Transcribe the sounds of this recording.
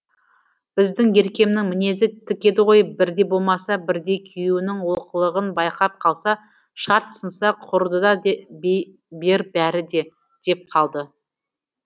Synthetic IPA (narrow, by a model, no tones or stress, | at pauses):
b̥ɪzd̪ɪŋje̞ɾkʲe̞mnɪŋmɪne̞zɪt̪ʰɪkʲe̞d̪ɪʁo̞jbɪɾd̪e̞bo̞lˠmɑsɑbɪɾd̪e̞kʲʰijuwɪnɪŋwoqʰəlˠəʁənbɑjqɑp̚qʰɑlˠsɑʃɑɾt̪sənsɑqʰʊɾd̪əd̪ɑ | be̞ɾbæɾɪd̪e̞ | d̪̥e̞p̚qʰɑlˠd̪ə